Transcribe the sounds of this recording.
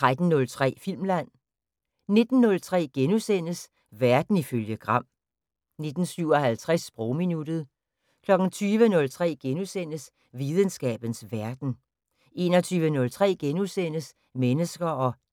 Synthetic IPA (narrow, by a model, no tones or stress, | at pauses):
t͡sʰʁad̥n̩ːɔ̽lt͡sʰʁɛ̰ːfil̰mlæn̰ | ne̝d̥n̩ːɔ̽lt͡sʰʁɛ̰ːɡ̥enusen̰əs | ʋæɐd̥n̩iføljəɡ̥ʁɑ̈m̰ | ne̝d̥n̩syʊɒhælt͡sʰʁasb̥ʁɔʊminud̥ð̞̩ˠ | kʰlɒ̽ɡ̥n̩t͡sʰyːʋənɔ̽lt͡sʰʁɛ̰ːɡ̥enusen̰əs | ʋiðˠənsɡ̥ɛ̰ːb̥ən̩sʋæɐd̥n̩ | e̝ːnɒ̽t͡sʰyːʋənɔ̽lt͡sʰʁɛ̰ːɡ̥enusen̰əs | menəsɡ̥ɐɒ̽